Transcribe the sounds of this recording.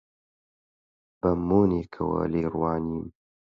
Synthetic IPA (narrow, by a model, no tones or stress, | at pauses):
b̥ɐmoːneːkʰɐwɐ̰leːrwɑːniːm